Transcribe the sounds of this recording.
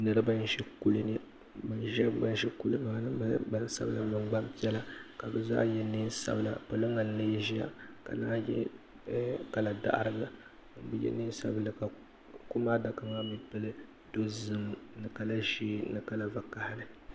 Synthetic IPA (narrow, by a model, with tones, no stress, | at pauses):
nɨ˨ɾɨ˦ba˦n˦ʒɛ˦ku˦lɨ˦nɨ˦ | mɨ˨nʒa˦ba˦n˦ʒɛ˦ku˦lɨ˦maː˦nɨ˦m˦ba˦n˦sa̰˦bɨ˦la˨mɨ˨ŋ͡mɡ͡ba˦mpi˦ɛ˦la˦ka˨bɛ˨za̰ː˦jɛ˦nɨ˦nsa̰˦bɨ˨la˨pɨ˨lɨ˦ŋa˨n˦le˦ʒi˦ja̰˦ka̰˨naː˦jɛ̰˦ | ka˨la˨da̰˦ʔa̰˦ɾɨ˦ɡɨ˦˨˦ | bɨ˦jɛ̰˦nɨ˦n˦sa̰˦bɨ˦lɨ˨ka˨ | ku˦maː˦da˨kɨ˦ŋa˦mi˦pɨ˦lɨ˦ | do˦zɨ˦mnɨ˨ka˨la˦ʃiː˦nɨ˨ka˦la˦va˨ka˨ha˦nɨ˨